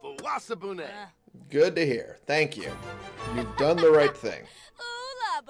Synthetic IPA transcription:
əwasəbunæ | ɡʊd̚tɨɦḭɹθæ̃ŋkjʉ̰jʉvdʌ̃nðəɹaɪt̪̚θɪ̰̃ŋ

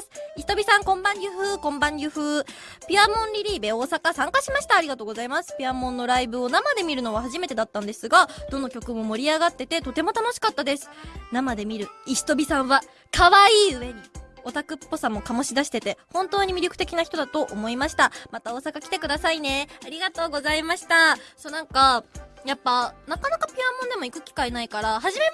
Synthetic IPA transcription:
sɨ̥iç̥t̪o̞bʲisãŋkõ̞mbãɲɾʲɯ̟ɸɯ̟ːkõ̞mbãɲɾʲɯ̟ɸɯ̟ː | pʲiamõ̞nɾʲiɾʲiːbe̞o̞ːsakasãŋkaɕimaɕi̥t̪aːɾʲiɡat̪o̞ːɡozaimasɨ̥pʲiamõ̞nːo̞ɾaibɯ̟o̞namad̪e̞mʲiɾɯ̟no̞βahaʑimet̪e̞d̪at̪ːãnd̪e̞sɨɡad̪o̞no̞kʲo̞kɯ̟mo̞mo̞ɾʲiaɡat̪ːe̞t̪e̞t̪o̞t̪e̞mo̞t̪ano̞ɕi̥kat̪ːad̪e̞sɨ̥namad̪e̞mʲiɾɯ̟iɕi̥t̪o̞bʲisãɰ̃βa | kʰaβaiːɯ̟e̞ɲ̟io̞t̪akɯ̟pːo̞samːo̞kamo̞ɕid̪aɕi̥t̪e̞t̪e̞hõ̞nt̪o̞ːɲ̟imʲiɾʲjo̞kɯ̟̥t̪e̞kʲinaçi̥t̪o̞d̪at̪o̞ʔomo̞imaɕi̥t̪amat̪ao̞ːsakakʲi̥t̪e̞kɯ̟d̪asaine̞aɾʲiɡat̪o̞ːɡo̞zaimaɕi̥t̪asonãŋkajapːanakanakapʲiamːõ̞nd̪e̞mo̞ikɯ̟kʲi̥kaenaikaɾaɦaʑime̞

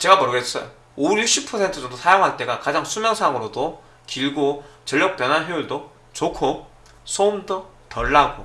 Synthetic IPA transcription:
t͡ɕe̞ɡamʌɾɯɡes͈ʌjo | oɾiɕʰipʰʌsʰe̞ntʰɯd͡ʑʌŋdosʰajoŋɦaɭt͈e̞ɡakad͡ʑaŋsʰumjʌŋsʰaŋɯɾodo | kiɭɡot͡ɕʌʎːʌk̚p͈jʌnɦanɦeuɭdo | t͡ɕokʰo | sʰomdo | tʌɭːaɡo

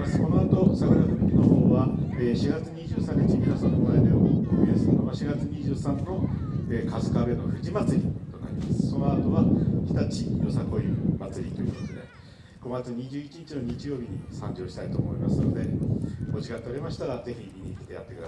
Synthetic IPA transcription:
asɨ̥ko̞no̞at̪o̞sakojimat̪ɨɾʲiɾʲino̞ɦoːβaeːɕiɡat͡sɨɲ̟iʑɨːsãɲ̟ːit͡ɕimʲinasãŋk̪omaet̪ejoioiesɨnonoβaɕiɡat͡sɨɲ̟iʑɨːsãnːo̞eːkasɨ̥kabe̞no̞̰ɸɯ̟ʑimat͡sɨɾʲit̪o̞na̰ɾʲimasɨ̥so̞no̞at̪o̞βakʲi̥t̪at͡ɕijo̞sako̞jɯmat͡sɨɾʲit̪ojɯ̰βot̪od̪e | ɡ̥o̞ɡat͡sɨɲ̟iʑɨːit͡ɕiɲit͡ɕino̞ɲ̟it͡ɕijo̞ːbʲiɲ̟isãɲ̟d͡ʑo̞ːɕi̥t̪ait̪o̞ːmo̞̰imasɨno̞d̪e̞oʑikat̪t̪ːeoɾemaɕi̥t̪aɾaze̞çimʲiɲiːki̥t̪e̞ja̰t̪ːe̞kɯd̪a

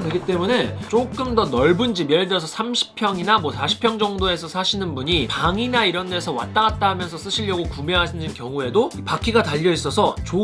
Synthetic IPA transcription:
kɾɯɡit͈e̞mune̞t͡ɕ͈ok͈ɯmdʌnʌɭbund͡ʑibjeɭdeʌs̬ʰʌsʰamɕʰi̥pʰjʌŋinamwʌsʰaɕʰi̥pʰjʌŋd͡ʑʌŋdoe̞sʰʌsʰaɕʰinɯnbuɲipaŋinaiɾʌnde̞sʰʌwa̰t͈aɡat̚t͈aɦamjʌnsʰʌs͈ɯɕʰiʎːʌɡokume̞ɦaɕʰind͡ʑinkjʌŋue̞doipakʰiɡataʎːʌis͈ʌsʰʌt͡ɕo

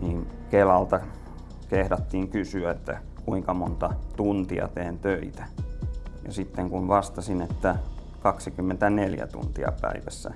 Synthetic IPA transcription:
niːnkelɑlt̪ɑ | kehɾɑt̪ːiːŋkysyæet̪ːæ̰ | kuiŋkɑmont̪ɑt̪unt̪iɑ̰t̪eːnt̪øit̪æ̥ | jɑ̰sit̪ːeŋkunʋɑst̪ɑsinet̪ːæ | kɑksikymːent̪æneljæ̰t̪ṵnt̪iɑ̰pæ̰iʋæsːæ̰

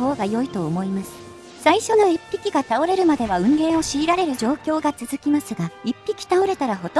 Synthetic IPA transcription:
o̞ːɡajo̞it̪o̞ːmo̞imasɨ̥ | saiɕo̞no̞ipʲːikʲiɡat̪ao̞ɾe̞ɾɯ̟mad̪e̞βaɯ̟̃nɾẽ̞ɰ̃o̞ɕiːɾaɾe̞ɾɯ̟ʑo̞ːkʲo̞ːɡat͡sɨzɨkʲimasɨɡaipʲːikʲi̥t̪ao̞ɾe̞t̪aɾaɦo̞t̪

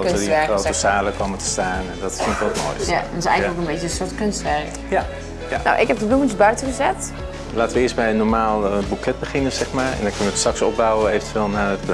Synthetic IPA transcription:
əiroːəsaːləkʰɔmətə̥staːnɛndɔtsikʋɔtmo̰ːjsɪsɛ̰jɣələkənbetəsotkønstʋɛrk | ja | janɔ̰wʔɪkɦɛp̚dəbuənsbœɥtəɣəzɛt | laːtəʋəɪəstbɛjənɔɹmaːlˠəbukʰɛt̚bəxɪnəsɛxmaːɹɛ̰ndɔnkʏnəʋəətsaksɔp̚bawəeːvəntʰʋeːlˠnaət

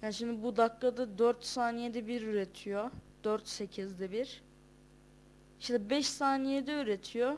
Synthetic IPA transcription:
janʃimd̪ibud̪akːad̪ad̪øɾt̪saːnijed̪ɛbiɾyɾet̪ʰijod̪̥øɾt̪se̞cʰizd̪ɛbiɾ̥ | iʃt̪ɛbɛʃsaːnijed̪ɛyɾe̞t̪ʰijo

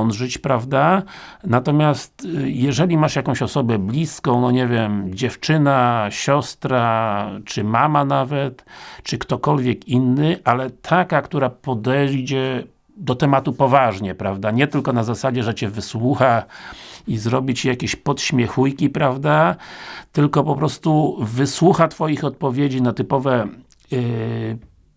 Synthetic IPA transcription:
nʐɘt͡ɕpɾavd̪anat̪ɔmʲjast̪jɛʐɛlʲimaʂjakɔ̃w̃ɕɔsɔbɛblʲiskɔ̃w̃nɔɲɛvʲjɛmd͡ʑɛft͡ʂɘnaɕɔst̪ɾat͡ʂɘmamanavɛt̪t͡ʂɘkt̪ɔkɔlvʲjɛkinːɘʔalɛt̪ʰakakt̪uɾapɔd̪ɛd͡ʑɛ | d̪ɔt̪ɛmat̪upɔvaʐɲɛpɾavd̪aɲɛt̪ɘlkɔnazasad͡ʑɛʐɛt͡ɕɛvɘswuxa | izɾɔbʲit͡ɕjakʲeɕpɔt̪ɕmʲjɛxujkʲipɾavd̪a | t̪ɘlkɔpɔpɾɔst̪uvɘswuxat̪fɔjixɔt̪̚pɔvʲjed͡ʑinat̪ɘpɔvɛ

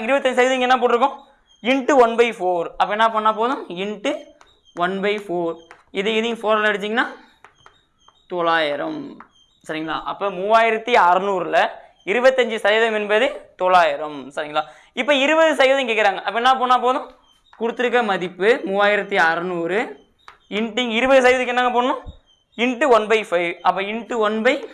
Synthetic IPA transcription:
ɐɡɪɾɪbɐt̪ːɐɲd͡ʒɯsɐjɐðɐɪŋɡɛnːãːp̬oːʈːɪɾɯkːʊ̃ | ɪɳʈɯʋɐnbɐɪfoːɾɐpːɐɛnːaːpoːnːaːpoːðʊ̃ɪɳʈɯ | ʋɐnbɐɪfoːɾ | ɪðɯɪðɪj̃foːɾlɐɽɯt͡ʃ̪ːiːŋɡɐnaː | t̪ɔɭaːjɪɾɐm | sɐɾɪŋɡɐla̰ːʔɐpːoːmuːʋaːjɪɾɐt̪ːiɐɾɯnuːɾɯlɐ | ɪɾɯbɐt̪ːɐɲd͡ʒɯsɐjðɐmɛnbɐðɯt̪ɔɭaːjɪɾɐmsɐɾɪŋɡɐlaː | ɪpːoɪɾɯbɐðɯsɐjʋɐðɐŋk̬eːkːɪɾaːŋɡɐʔɐpːɐnːãːp̬oːnːaːpoːðʊ̃ | kʊɽɯt̪ːɯɾɯk̬ːɐmɐðɪpːɯmʊʋaːjɪɾɐt̪ːiɐɾɯnuːɾɯ | ɪɳʈːɪŋɪɾɯbɐðɯs̬ɐjʋɐðɯkːɛnːaːŋɡɐp̬oːnːʊ̃ | ɪɳʈːɯʋɐnbɐɪfɐɪʋɐpːɐːɪɳʈːɯʋɔnbɐɪ

